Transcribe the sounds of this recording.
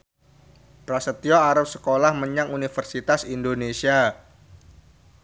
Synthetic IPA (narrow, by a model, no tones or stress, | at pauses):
bɾasət̪ioaɾap̚sə̥kolahməɲaŋunifərsit̪asindonesia